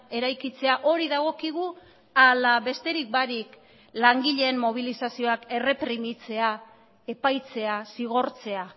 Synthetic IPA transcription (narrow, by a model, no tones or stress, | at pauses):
e̞ɾajkit͡se̞aʔo̞ɾiðaɣ̞o̞kiɣ̞u | alaβe̞st̪e̞ɾik̚baɾik | laŋɡiʎe̞ːmmo̞β̞ilisasio̞ake̞re̞pɾimit͡se̞a | e̞pajt͡se̞asiɣ̞o̞ɾt͡se̞a